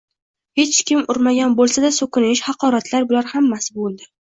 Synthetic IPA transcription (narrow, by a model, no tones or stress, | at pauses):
he̞t͡ʃkʲɪmʊɾmaɡʲanbolˠsad̪asɵkʰʲʊnɪʃhɑqɒɾat̪laɾbʊlaɾhamːasɪbolˠd̪ɪ